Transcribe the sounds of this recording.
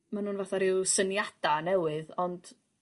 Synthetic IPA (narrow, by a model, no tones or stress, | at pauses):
manuːnvaθaɾɪwsənjad̥anɛwɨðɔnd̥